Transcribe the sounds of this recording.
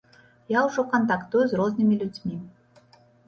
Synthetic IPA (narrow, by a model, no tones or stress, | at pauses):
jawʐɔkɐnt̪akt̪ujuzrɔznɨmʲilʲud͡zʲmʲi